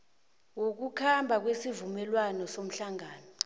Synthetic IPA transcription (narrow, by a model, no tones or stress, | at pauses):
wok̬ukʰambʱak̬wesivumɛlwanɔsom̩ɬaŋaːnɔ